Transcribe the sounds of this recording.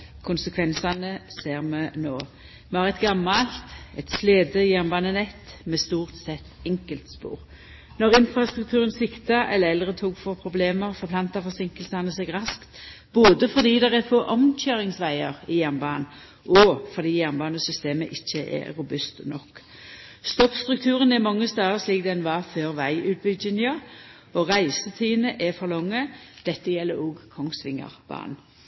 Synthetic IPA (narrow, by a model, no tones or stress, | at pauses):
kʰʊnsəkʰʋɛnsɑnəseːʁmɛnoː | mɛɑːʁɛt̪ɡɑmːɑlt̪ɛt̪sleːd̪əjæʁnbɑːnənɛt̪ːmɛst̪uːʁt̪sɛt̪ːɛŋkəlt̪spṵːʁ | nɔʁɪnfʁɑst̪ʁʉk̚t̪ʰʉːʁənsɪkt̪ɑʔɛlːəɛld̪ʁət̪ʰuːɡfoːʁpʰɾʊbleːməʁfɔʁpʰlɑnt̪ɑfɔʁsɪŋkəlsɑnəsɛɡʁɑskt̪ | b̥oːd̪əfɔd̪iːd̪ɛʁæfoːʔɔmc͡çøːʁɪŋsʋæɪəʁɪjæʁnbɑːn | ʔɔfɔd̪iːjæʁnbɑːnəsʏst̪eːməʔɪçːəʔɛ̰ɾʊbʉst̪nɔkː | st̪ɔpst̪ʁʉk̚t̪ʰʉːʁənɛʁmɑŋːəst̪ɑːʁəsliːk̚d̪ɛnʋɑføːʁʋæɪʔʉːt̪̚bʏd͡ʒɪnjɑ | ɔʁæɪsət̪ʰiːnəʔɛfɔʁlɔŋːəd̪̥ɛt̪ːəjɛlːəɾoːɡkʰɔŋsʋɪŋːə̰ʁb̥ɑ̰ːn